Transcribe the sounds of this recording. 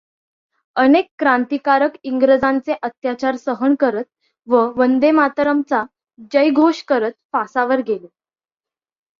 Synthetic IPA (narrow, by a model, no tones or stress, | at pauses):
ənekːɾãnt̪ikaɾəkiŋɡɾəd͡zãnt͡seʔət̪jat͡ɕaɾsəɦəɳkəɾət̪̚ | ʋəʋənd̪emat̪ɾəmt͡sa | d͡ʑəjɡʱoɕkəɾət̪̚fasaʋəɾɡʱele